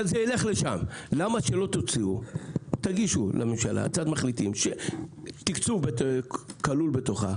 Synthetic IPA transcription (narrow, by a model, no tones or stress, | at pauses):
zeileχle̞ʃamlamaʃelo̞t̪ot͡siut̪aɡiʃulʔamemʃala̰kt͡sad̪maχlit̪imʃet̪ikt͡subet̪kalulbe̞t̪o̞χa̰